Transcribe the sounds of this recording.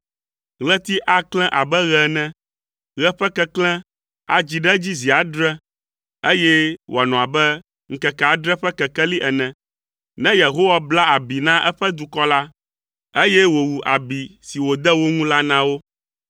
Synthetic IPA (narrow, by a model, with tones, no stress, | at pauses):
ɣlɛ˦t̪i˦ʔa˦klɛ̃˦ʔa˨bɛ˦ɣɛ˨nɛ̃˦ | ɣɛ˦ɸɛ˦kɛ˦klɛ̃˦ | a̰˨d͡ʑi˨ɖɛ˦d͡ʑi˦zi˨a˨ɖɾɛ̃˦ | e˦jɛ˦wʔo˨a˨nɔ̃˨a˨bɛ˦ | ŋ̩˨kɛ˨ka˨˦ɖɾɛ˦ɸɛ˦kɛ˨kɛ˦li˦ʔɛ˨nɛ̃˨ | nɛ̃˦je˨ɦo˦wa˦bla˦a˨bi˨nã˦ʔɛ˦ɸɛ˦d̪u˨kɔ˦la˦ | e˦jɛ˦wo˨wu˨ʔa˨bi˨si˨wo˨d̪ɛ˦wo˦ŋũ˦la˦nã˦wo˦